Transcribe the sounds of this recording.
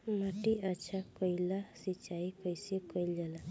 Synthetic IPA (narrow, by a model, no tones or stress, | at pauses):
maʈiat͡ʃʰakɔjlasit͡ʃaikʌjsikɔjld͡ʒala